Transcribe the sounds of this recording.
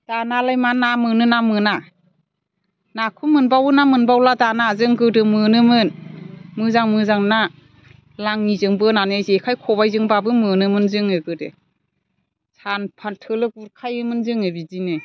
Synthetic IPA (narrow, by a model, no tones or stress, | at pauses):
d̥analajmanamɯnɯnamɯna | nakʰumɯnbawɯnamɯnbawladanazɯŋɡɯdɯmɯnɯmɯnmɯzaŋmɯzaŋna | laŋnizɯŋbɯnanezekʰajkʰɔbajzɯŋbabɯmɯnɯmɯnzɯŋɯɡɯdḛ | sʰanpʰantʰɯlɯk̚uɾkʰajɯmɯnzɯŋɯbizine